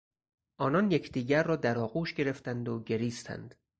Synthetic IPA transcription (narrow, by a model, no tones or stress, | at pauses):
ʔɒːnɒːnjecʰd̪iːɟæɾːɒːd̪æɾɒːɣuːʃɟe̞ɾe̞ft̪ænd̪oɟe̞ɾiːst̪ʰæ̰nd̪̥